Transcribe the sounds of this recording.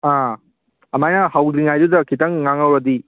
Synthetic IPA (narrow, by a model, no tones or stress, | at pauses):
ã | ɐmajnahawdɾiŋajdud̪ɐkitɐŋːaŋɐwɾɐd̪i